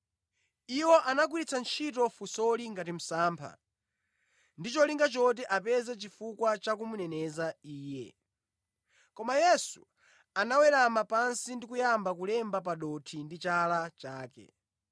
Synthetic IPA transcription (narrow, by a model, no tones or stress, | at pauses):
iwɔʔanak̬wiɾit͡sʰant͡ʃʰit̬ɔfusɔliŋɡat̬im̩saːmpʰa̰ | ndit͡ʃɔliŋɡat͡ʃɔt̬ɛʔapɛzɛt͡ʃifukwat͡ʃakumunɛnɛzaiːjɛ̰ | kɔmajɛsu | anawɛɾamapansindikujambakulɛmbapaɗɔtʰindit͡ʃalat͡ʃaːkɛ̰